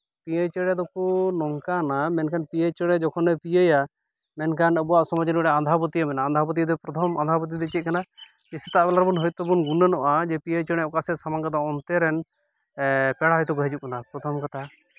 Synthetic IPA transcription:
piajt͡ʃəɽɛd̪ɔkunɔŋkanamɛnkʰanpiəjt͡ʃəɽɛd͡ʒɔkʰɔnɛpijəja | mɛnkʰanəbɔwaʔsɔmɔd͡ʒinɖɛand̪ʱapɔt̪ijamɛnaːnd̪ʱapɔt̪̬id̪ɛpɾɔt̪ʰɔma̰nd̪ʱapɔt̪̬id̪ɛt͡ʃit̪̚kana | kisit̪aʔbɛlaɾbunɦɔjt̪ɔbunɡunənɔʔad͡ʒɛpiəjt͡ʃəɽɛɔkasɛsamaŋkad̪aɔnt̪ɛɾɛn | pɛɽaɦɔjt̪̬ɔɡɔɦɛt͡ʃukanapɾɔt̪ʰɔmkat̪ʰa

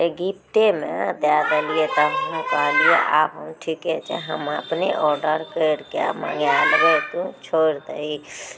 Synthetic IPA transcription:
eɡip̚t̪emḛ̃d̪jad̪əliet̪əɦɦũkaːliḛʔa̰ːbɦəmʈʰikɛt͡ʃʰɛ̰ɦəməpneʔɔːɾɖəɾkəɽkea̰mã̰ŋɡjaːlɾet̪ũt͡ʃʰoɾd̪əi

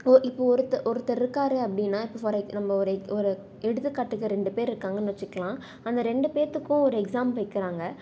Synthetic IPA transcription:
ɔʔɪpːoɔɾɯt̪ːɐʔɔɾɯt̪ːɐɾɪɾɯkːaːɾɯɐpːɐɽɪnːaːɪpːoʋɐɾɐnɐmːɐɔɾɯɔɾɯ | ɛɽɯt̪ːɯkːɐʈːɯkːɯɾɛɳɖɯpeːɾɾɯkːaːŋɡɐnɪʋɐt͡ʃːɪkːɐɭãː | ɐnd̪ɐɾɛɳɖɯpeːɾt̪ːɯkːʊ̃ɔɾɯɛksaːmʋɐɪkːɪɾaːŋɡɐ

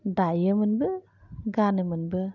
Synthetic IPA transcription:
dajəmɯnbɯ | ɡanɯmɯnbɯ

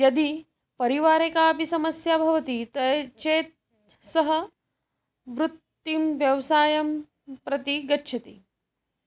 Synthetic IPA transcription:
jɐd̪i | pɐɾiʋaːɾekaːpisɐmɐsjabʱɐʋɐt̪it̪ɐt͡ʃeːt̪̚ | sɐɦɐ | ʋɾut̪ːimʋjɐʋsaːjɐm | pɾɐt̪iɡɐtːʃʰɐt̪ḭ

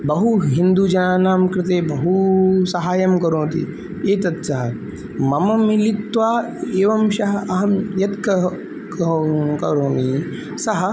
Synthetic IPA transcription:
bɐɦuɦind̪ud͡ʒɐnaːnaːmkɾɪt̪eːbɐɦusɐɦaːjɐmkɐɾõːt̪ḭ | eːt̪ɐt̪sɐɦɐ | mɐmɐmilit̪ːʋaː | eːʋɐmʃɐɦɐɐɦɐmjɐt̪kɐ | komkɐɾõːni | sɐɦɐ

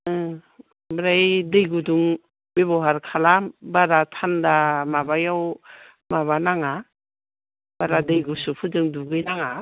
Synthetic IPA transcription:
bɾajdɯjɡuduŋ | bebɔɦaɾkʰalambaɾatʰandamabajaw | maβanaŋa | b̥aɾadɯjɡusupʰɯdɯŋduɡɯjnaŋa

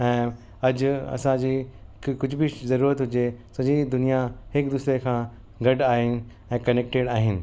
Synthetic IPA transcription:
ɛ̃ː | ɐd͡ʑɐ̰sãd͡ʑiːkʊd͡ʑʱbʱɪzɐɾuːɾət̪ɦʊd͡ʑesɐɲid̪ʊnijahɪkd̪ʊsɾekʰãː | ɡɐɖaːɦɪnɪ̆ | ɛ̃ːkɐneːk̚ʈeɽaːɦɪnɪ̆

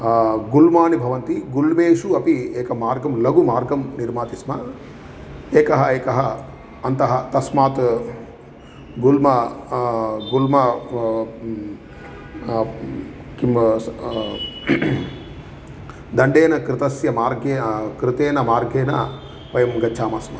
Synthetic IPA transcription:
ɡulmaːnibʱɐʋɐnt̪iɡulmeːʂuɐpieːkɐmaːɾɡɐmlɐɡumaːɾɡɐmniɾmaːt̪ismɐ | eːkɐɦɐeːkɐɦɐ | ɐnt̪ɐɦɐt̪ɐsmaːt̪ | ɡulmɐ | ɡulmɐ | kim | d̪ɐɳɖeːnɐkɾɪt̪ɐsjɐmaːɾɡeːkɾɪt̪eːnɐmaːɾɡeːnɐ̰ | pɐjɐmɡɐːt͡ʃʰaːmaːsmɐ

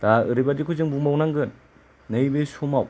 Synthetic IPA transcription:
d̥aɯɾibadikʰuzɯŋbuŋbawnaŋɡɯnː | ɯjbesumaw

